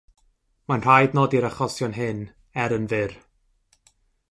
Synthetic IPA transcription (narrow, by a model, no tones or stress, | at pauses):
manr̥ajdnɔdiɾaχɔsjɔnɦɪn | ɛɾənvɪr